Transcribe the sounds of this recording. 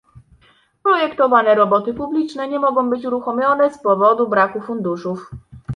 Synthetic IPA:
pɾɔjɛkt̪ɔvanɛɾɔbɔt̪ɘpublʲit͡ʂnɛɲɛmɔɡɔ̃w̃bɘt͡ɕuɾuxɔmʲjɔnɛspɔvɔd̪ubɾakufund̪uʂuf

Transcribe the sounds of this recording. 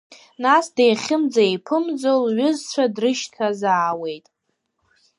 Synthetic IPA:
nasdejχʲɪmd͡zaejpʰɨmd͡zolɥʊzt͡ʃʷʰadrɨʃtʰazaːwe̞jtʼ

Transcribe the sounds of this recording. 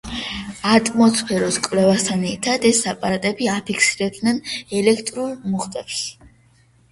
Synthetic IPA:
at̪ʼmɔspʰɛɾɔskʼvlɛvast̪ʰanɛɾt̪ʰad̪ɛsapʼaat̪ʼɛbiapʰikʰsiɾɛb̚d̪nɛnɛlɛkʰt̪ʼɾulmuχt̪ʼɛps

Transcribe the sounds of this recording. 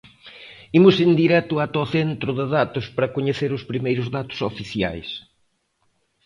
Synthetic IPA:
imʊsɪnd̪iɾɛt̪ʊat̪ɔθent̪ɾʊðɪðat̪ʊspɾɐkoɲeθeɾʊspɾimejɾʊzðat̪ʊ̥sofiθja̰js

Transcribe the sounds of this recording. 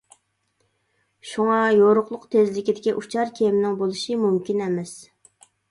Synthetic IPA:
ʃuŋɑjoɾʊqlˠʊqt̪ʰezlɪkʲid̪ɪkʲiʔut͡ʃʰɑɾkʲʰejmnɪŋbolˠuʃimumkʲinɛmɛs

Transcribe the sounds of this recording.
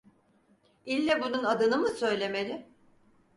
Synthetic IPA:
ilʲːɛbununad̪ɯnɯmɯsø̞jlʲe̞melʲɪ

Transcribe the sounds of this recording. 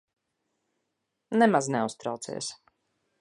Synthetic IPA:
nɛmaznɛust̪ɾawt̪sḭːs

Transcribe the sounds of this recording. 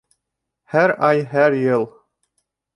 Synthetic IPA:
hæɾɑjɦæɾjɤlˠ

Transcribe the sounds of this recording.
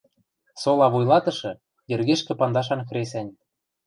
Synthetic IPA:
solɑβujlɑt̪ɤ̆ʃɤ̆ | jɘ̆rɣeʃkĕpɑnd̪ɑʃ̬ɑnxɾesænʲ

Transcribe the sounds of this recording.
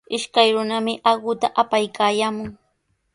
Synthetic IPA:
ɪʃkajɾʊnamɪʔɑɢʊt̪aʔapajkʰaːjaːmʊŋ

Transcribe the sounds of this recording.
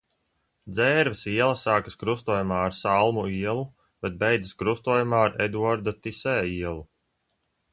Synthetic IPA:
d̪zɛːɾvisiɛlˠɐsaːkaskɾust̪uɔjumaːaɾsalˠmuiɛlˠu | b̥ɛt̪̚bɛjd̪əskɾust̪uɔjumaːaɾɛd̪uɔɾd̪at̪isɛːiɛlˠu

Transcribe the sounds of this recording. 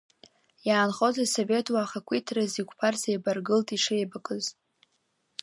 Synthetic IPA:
jaːnχo̞zasove̞tʰʼwaːχakʷʰitʰrazikʷʰʼpʰarzejbarɡɨltʼiʂejbakʼɨz

